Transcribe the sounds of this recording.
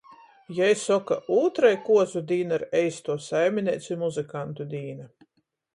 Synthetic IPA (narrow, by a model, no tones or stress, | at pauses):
jɛjsɔkaʔuːt̪ɾajkuɔzud̪ʲiːnaɾɛjst̪uɔsajmʲinʲɛt̪sʲumuzɨkant̪ud̪ʲiːna